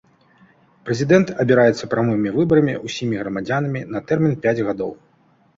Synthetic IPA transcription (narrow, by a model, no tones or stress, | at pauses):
pɾɛzʲid̪ɛnt̪ɐbʲiɾajɛt̪sːɐpɾamɨmʲivɨbɐɾɐmʲiʔusʲimʲiɣɾɐmad͡zʲanɐmʲinɐt̪ɛrmʲinpʲad͡zʲɣad̪ɔ̰w